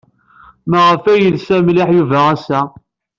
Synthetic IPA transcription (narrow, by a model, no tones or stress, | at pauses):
məʁəfæjəlsæmlɪħjuvææsæ